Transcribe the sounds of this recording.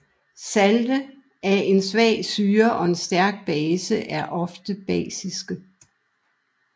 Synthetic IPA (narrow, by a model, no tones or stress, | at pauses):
sæld̥ə | æɐʔe̝nsʋɛ̰ːsyːɐʔɒ̽e̝nsd̥æɐɡ̥̚b̥ɛːsəʔæɐʔɒ̽fd̥əb̥ɛ̰ːsisɡ̥ə